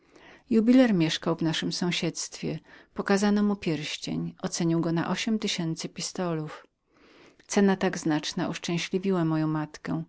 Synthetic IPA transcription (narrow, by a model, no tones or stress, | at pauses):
jubʲilɛɾmʲjɛʂkawvnaʂɘmsɔ̃w̃ɕɛt̪st̪fʲjɛpɔkazanɔmupʲjɛɾɕt͡ɕḛɲʔɔt̪sɛɲiwɡɔna̰ʔɔɕɛmt̪ɘɕɛnt̪sɘpʲist̪ɔluf | t̪sɛnat̪aɡznat͡ʂnaʔuʂt͡ʂɛ̃w̃ɕlʲivʲiwamɔjɔ̃w̃mat̪kɛ